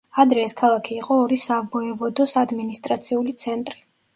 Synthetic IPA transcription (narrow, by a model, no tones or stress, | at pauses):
ad̪ɾɛːskʰalˠakʰiːqʼɔːɾisavɔɛvɔd̪ɔsad̪minist̪ʼɾat̪sʰiulit̪sʰɛnt̪ʼɾi̥